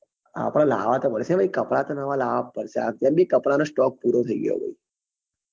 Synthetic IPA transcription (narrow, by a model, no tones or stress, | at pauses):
a̰ːpɽ̃ãla̰ːʋat̪əpəɽsẽʋəikɐpɽat̪anəʋalaːʋapəɾsa̰ːkt̪jabikəpɽanosʈɔːk̚puːɾot̪ʰəiɡə̰jo̰bə̰i